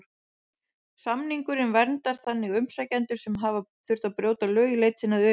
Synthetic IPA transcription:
samniŋkʏɾɪnvɛɾnt̪aɾ̥θanːɪɣʏmsajcɛnt̪ʏɾ̥sɛmɦaːvaθʏɾ̥t̪apɾjoːwt̪alœːɣʏleːjt̪sɪnaðʏ

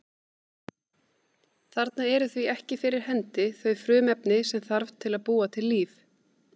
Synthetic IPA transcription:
θaɾt̪naɛɾʏθviɛhcɪfɪɾɪɾ̥hɛnt̪ɪθœɥfɾʏːmɛpnɪsɛmθaɾvt̪ʰːɪlaðpuːat̪ʰɪlːiːf

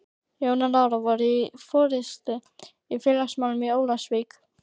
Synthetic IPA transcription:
joːwnalaːwɾavɔɾifɔːɾɪst̪ɪ | ifjɛlaksmawlmɪoːwlasvik

